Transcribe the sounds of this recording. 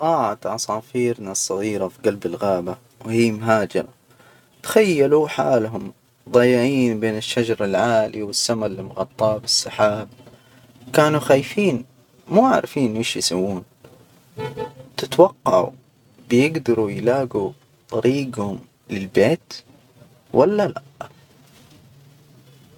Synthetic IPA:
qˤɑːʕat̪ʕɑsˤɑːfiːɾnasˤːɑɣiːɾafiɡalbɪlɣaːba | whiːmɦaːd͡ʒɪɾa | t̪xajːaluħa̰ːlɦʊm | d̪ˤɑjːɪʕiːnbeːnɪʃːad͡ʒɑɾˤɪlʕaːliwɪsːamalːɪlmʊɣɑt̪ˤːɑːbɪsːaħaːb̚ | kaːnuxaːjfiːn | muːʕa̰ʕɾfiːnʔɪːʃjɪsawːuːn | t̪ɪt̪wɑqːɑʕṵ | bɪjɪɡd̪ɑɾˤujlaːɡu | t̪ˤɑɾiːɡhʊm | lɪlbeːt̪ | walːala

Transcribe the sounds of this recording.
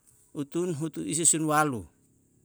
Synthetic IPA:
ut̪unɦut̪uis̬esunwalṵ

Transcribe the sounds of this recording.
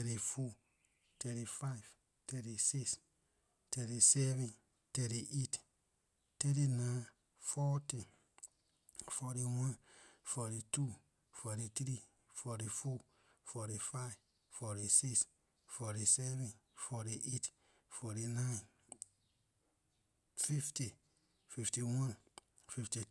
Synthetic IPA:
tɛɾifu | tɛɾifajv | tɛɾisis | tɛɾisɛvɛ̃n | tɛɾiʔet | tɛɾinã | fɔti | fɔɾiwãnfɔɾitu | fɔɾit̪ɾi | fɔɾifɔ | fɔɾifav | fɔɾisiks | fɔɾisɛvɛ̃nfɔɾiʔet | fɔɾinain | fifti | fiftiwãn | fifti

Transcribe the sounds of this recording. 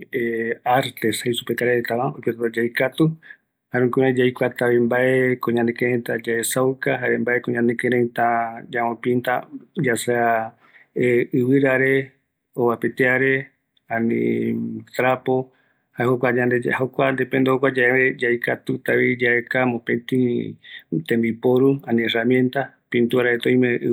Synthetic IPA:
eaɾt̪eshajsupekaɾeɾt̪aβaojpot̪at̪ad͡ʒajkat̪u | haɾũkuɾẽd͡ʒajkʷat̪aβimbaʔekõɲãnd̪ekeɾẽnt̪ad͡ʒaesawkaɦaɾembaekõɲãnd̪ekeɾẽnt̪ad͡ʒamõpint̪ad͡ʒasea | eɨβɨɾaɾe | oβapet̪eaɾe̞ | ãnḭ̃ | t̪ɾapo | haeɦokʷad͡ʒand̪ehokʷand̪epẽnd̪ehokʷad͡ʒaeβed͡ʒajkat̪ut̪aβid͡ʒaekamõpẽt̪ĩ | t̪ẽmbipoɾuãnĩeramjẽ̞nt̪apĩnt̪uɾaet̪õj̃mẽʔɨ̰

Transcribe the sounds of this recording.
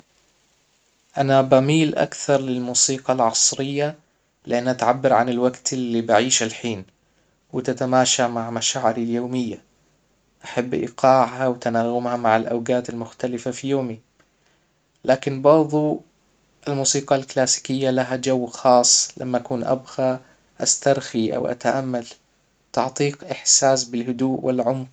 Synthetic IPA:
ʔanabamiːlʔa̰kθɑɾˤlɪlmuːsiːqɑlʕɑsˤɾɪjːa | lɪʔanːʔat̪ʕabːɪɾʕanɪlwaɡt̪ɪlːibɪʕiːʃalħiːn | wɪt̪at̪amaːʃamaʕmaʃaːʕɪɾaljoːmɪjːa | ʔaħabːʔḭqɑːʕhawɪt̪anaːɣʊmhamaʕalʔa̰wɡaːt̪almʊxt̪alɪfafijoːmi | laːkɪnbɑɾˤðˤu | ɪlmuːsiːqɑlklaːsi̥kɪjːalaɦad͡ʒawːxɑːsˤːlʔa̰mːaʔakuːnʔa̰bɣa | ʔast̪ɑɾˤxiʔa̰wʔa̰t̪aʔamːal | t̪ɑʕt̪ˤiːqʔɪħsaːsbɪlhʊd̪uːʔwʔɪlʕʊmq

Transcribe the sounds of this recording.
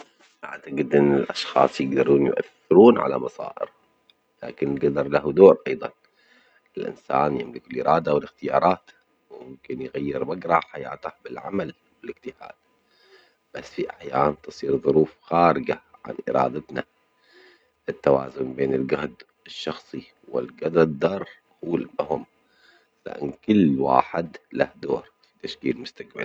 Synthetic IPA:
ba̰ʕt̪aɡɪd̪ʔɪnːɪlʔɑʃxɑ̰ːsˤjɪɡd̪ɑɾˤuːnjʊ̰ʔa̰θːɪɾuːnʕa̰la̰mɑsˤɑ̰ːʔɪɾ | la̰ːkɪnɡad̪ɑɾˤlahud̪oːɾʔɑjðˤɑ̰n | ɪlʔɪ̰nsa̰ːnjɪmlɪkɪlʔɪɾˤɑːd̪awɪlɪxt̪ɪjɑːɾˤɑːt̪ | wmʊmkɪnjɣajːɪɾmaɡɾˤɑħajɪ̰ʕt̪aħbɪlʕamal | wɪlɪɡt̪ɪha̰ːd̪̥̚ | b̥asːfiʔaħjaːnt̪ɨsˤiːɾðˤʊɾuːfxaːɾɪɡaʕa̰nʔɪ̰ɾˤɑ̰ːd̪at̪na̰ | ɪt̪ːawa̰ːzʊnbeːnɪlɡahd̪ | ɪʃːɑxsˤi | wɪlɡad̪ad̪ːɑɾˤ | huːlahʊm | la̰ʔɪ̰nkɪlːwa̰ːħɪd̪lahd̪oːɾˤfi̥t̪aʃkiːlmʊst̪akba̰l

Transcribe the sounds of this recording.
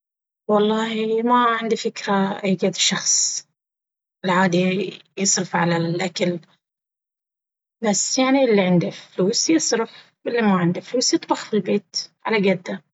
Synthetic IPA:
wɑlˤːɑːhimaʕɪnd̪ifɪkɾaʔajɡad̪ʃɑxsˤ | ɪlʕaːd̪ijɨsˤɾɪfʕalalʔakal | basːjaʕniʔɪlːiʕɪnd̪afluːsjɨsˤɾʊf | ʔɪlːimaʕɪnd̪ifluːsjɨt̪ˤbɑxfilbeːt̪ʕalaɡad̪ːa

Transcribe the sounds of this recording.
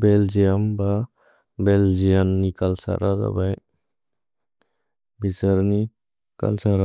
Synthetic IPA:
beld͡ʒijəmba | beld͡ʒijɐnːikɐlsa̰ɾad̪ɐ̰bɐj | bisəɾni | kɐ̰lsaɾa

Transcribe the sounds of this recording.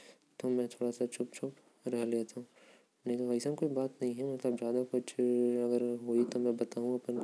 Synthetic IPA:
t̪omɛ̃ːt̪ʰoːɽasat͡ʃʰʊpt͡ʃʰʊp | ɾɛɦleːt̪aɦũ | nekʋɐisamkoːibaːt̪nɐɦĩɦɛmɐt̪ləbzjaːd̪akʊt͡ʃʰɐɡəɾɦoit̪omɛ̃bɐt̪aːɦũɐpən

